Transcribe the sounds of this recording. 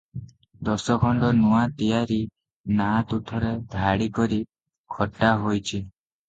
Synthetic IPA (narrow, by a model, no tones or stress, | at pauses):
d̪ɔsɔkʰɔɳɖɔnuwat̪ijaɾi | nat̪ut̪ʰɔɾed̪ʱaɽikɔɾi | kʰɔʈːaɦojt͡ʃʰi